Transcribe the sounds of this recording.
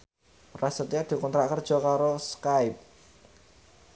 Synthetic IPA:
rasət̪iad̪̥i̤kɔnt̪ɾaʔkərd̥ʒ̥ɔ̤kaɾoskaɪp̚

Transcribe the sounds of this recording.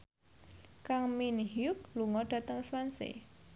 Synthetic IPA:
kaŋminhjʊk̚luŋɔɖ̥ä̤t̪əŋswansḛ

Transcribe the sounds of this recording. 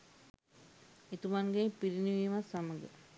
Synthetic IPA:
et̪umanɡepiɾiniʋimasaməɡə̰

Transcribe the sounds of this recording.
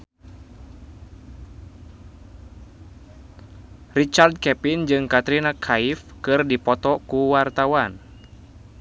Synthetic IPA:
rit͡ʃard̪̚kɛpind͡ʒɨŋkat̪ɾinakʰaifkɨrdipɔt̪ɔkuwart̪awan

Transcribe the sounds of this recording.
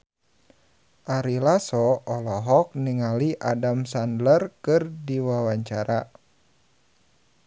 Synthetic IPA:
ʔaɾilasɔɔlɔɦɔk̚niŋaliʔadamsandlərkɨrdiwawaɲt͡ʃaɾa

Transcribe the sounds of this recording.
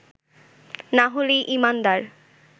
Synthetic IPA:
naɦolejʔimand̪aɾ

